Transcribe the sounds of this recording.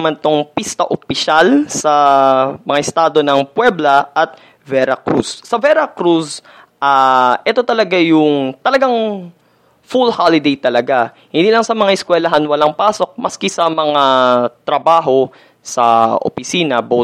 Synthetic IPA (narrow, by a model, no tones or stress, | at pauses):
mant̪oŋpist̪ɐʔopɪʃalsɐmɐŋaʔɪst̪aːd̪o̞nɐŋpwɛblɐʔɐt̪̚ | vɛɾɐkɾusːɐvɛɾɐkɾus | ʔaʔɛt̪o̞t̪ɐlɐɡajʊŋt̪ɐlɐɡaŋ | fulhalɪd̪ejt̪ɐlɐɡa | hɪnd̪iːlɐŋsɐmɐŋaʔɪskwɛlɐɦanwɐlaŋpaːso̞k̚mɐskɪsɐmɐŋat̪ɾɐbaːɦo̞ | sɐ̰ʔo̰pɪsiːnɐbo